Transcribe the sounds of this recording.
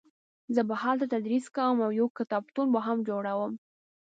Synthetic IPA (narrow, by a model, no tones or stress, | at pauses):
zəbahɑlt̪at̪ad̪ɾiskawəmawjokːɪt̪ɑbt̪unbəɦamd͡ʒoɽawəm